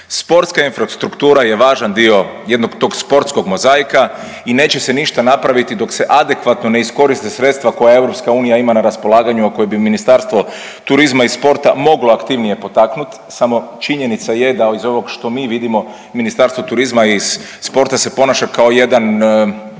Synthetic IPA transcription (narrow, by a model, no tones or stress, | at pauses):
spo̞ɾt̪skainfɾast̪ɾukt̪uːɾaje̞ʋaːʒand̪io̞je̞d̪noɡt̪o̞ːɡspo̞ɾt̪sko̞ɡmo̞zaːjka | ine̞ːt͡ɕe̞se̞niʃt̪anapɾaʋit̪id̪o̞kse̞ʔad̪e̞kʋat̪no̞ne̞isko̞ɾist̪esɾe̞t̪st̪ʋako̞jae̞vɾo̞pskauːnijaimanaɾaspo̞lˠaːɡaɲuakojebiminist̪aɾst̪ʋo̞ | t̪uɾizmaispo̞ɾt̪a̰mo̞ɡloakt̪iʋnije̞po̞t̪aknut̪ | samo̞t͡ʃiɲe̞nit̪saje̞d̪aizo̞ʋo̞ɡʃt̪o̞miːʋid̪imo̞ | minist̪aɾst̪ʋot̪uɾizmaiz̥ | spo̞ɾt̪ase̞po̞naʃakao̞je̞d̪an